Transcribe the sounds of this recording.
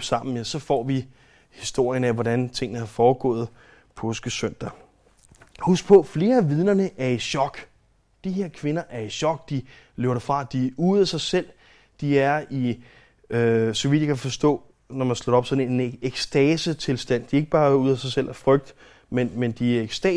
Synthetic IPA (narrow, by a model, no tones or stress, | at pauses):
sɑ̈m̰n̩jæsɒ̽fɒ̰ːʋi | hisd̥o̝ɐ̰jənæʋɒd̥ænt͡sʰe̝ŋ̰nəhɑ̈fɒːɡ̥ɔ̰̽ːð̩ˠ | pʰɔːsɡ̥əsøn̰d̥ɐ | husɡ̥̚pʰɔ̽fle̝ːɐʋið̞ˠnɐnəʔæɐiɕɒ̽ɡ̥ | d̥iɦe̝ɐ̰kʰʋe̝nɐʔæɐiɕɒ̽ɡ̥d̥i | lḛʊɐɾ̥ɑfʁɑ̈d̥iuðˠæsɑ̈ɪsel̰ | d̥iæɐi | øsɒ̽ʋid̥jakʰæfɒ̽sd̥ɔ̰̽ː | nɒmænsloɒ̽b̥sɒ̽dn̩e̝neɡ̥sd̥ɛːsət͡sʰe̝lsd̥æn̰d̥ie̝ɡ̥əb̥ɑ̈ːuð̞̰ˠæsɑ̈ɪsel̰æɐfʁœɡ̥̚d̥ | menmend̥iæɐe̥sd̥ɛ